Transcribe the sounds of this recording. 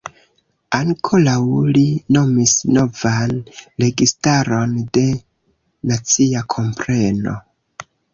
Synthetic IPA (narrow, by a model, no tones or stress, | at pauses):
aŋkʰo̞lawlino̞misno̞vanɾe̞ɡistaɾo̞nde̞ | nat͡siakʰo̞mpɾe̞no̞̰